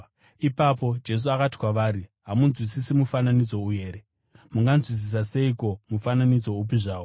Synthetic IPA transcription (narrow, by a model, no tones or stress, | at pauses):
ipapo̞d͡ʒe̞s̬uakati̥kwaʋaːɾiɦamunzwisisimufananid͡zo̞uje̞ːɾe | muŋɡanzwis̬is̬ase̞iko̞mufananid͡zo̞up̬iʐaːʋo